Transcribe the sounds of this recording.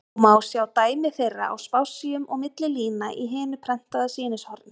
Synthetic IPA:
maːwsjaːwt̪aːjmɪθejrːa̰a̰wspaːwsiʏmɔɣmɪt̪lɪliːnaʔiɦɛːmɪpʰɾɛn̥t̪aðasiːnɪshɔɾɪn

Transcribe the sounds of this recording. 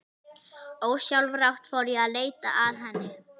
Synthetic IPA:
oːwsjawlvrawht̪fɔwɾjɛaðleːjt̪a̰ʔaðɦɛnːɪ

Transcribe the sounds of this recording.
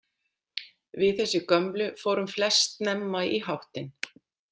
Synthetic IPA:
vɪðθɛsːɪkœmplʏfoːwɾʏmflɛst̪nɛmːajiɦawht̪ɪn

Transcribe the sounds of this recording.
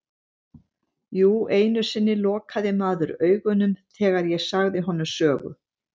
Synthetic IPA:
juːeːjnʏ̥sɪnːɪlɔːkʰaðɪmaːðʏɾœːɥɣʏnʏmθʰɛːɣaɾjɛsaɣðɪɦɔnːʏsœːɣʏ̰

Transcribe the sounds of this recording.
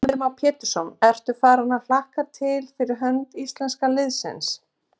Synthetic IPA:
ʏmawpʰɛːt̪ʏ̥sɔnɛr̥t̪ʏfaːɾanafl̥ahkaɾ̥t̪ʰɪlfɪɾɪɾɦœnt̪ist̪lɛnskalɪðsɪ̰ns

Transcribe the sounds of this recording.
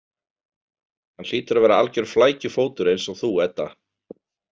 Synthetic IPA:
hanl̥iːt̪ʏɾavɛːɾaalcʏɾ̥flaːjcʏfoːwt̪ʏɾejnsɔɣθuɛt̪ːa̰

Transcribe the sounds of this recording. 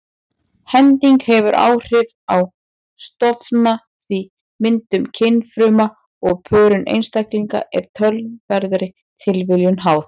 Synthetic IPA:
hɛnt̪iŋkhɛvʏɾʔa̰ːwr̥ɪv | aw | st̪ɔfna | θvi | mɪnt̪ʏmcʰɪnːfɾʏːma | ɔɣpʰœːɾʏnʔḛjnst̪ajkliŋka̰ʔɛɾ̥t̪ʰœlvɛɾðɾɪ | t̪ʰɪlvɪljʏnɦaːwθ

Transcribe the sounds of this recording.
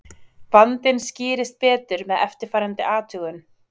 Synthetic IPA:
vant̪ɪnscɪːɾɪst̪̚pɛːt̪ʏɾmɛðɛft̪ɪɾ̥faːjɾant̪ɪʔaːt̪ʰʏːɣʏn

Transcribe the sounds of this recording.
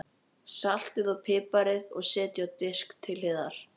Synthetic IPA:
sal̥t̪ɪðɔɣpʰɪːpaɾɪðɔɣsɛːt̪jʏawt̪ɪskt̪ʰːɪlhɪːðaɾ̥

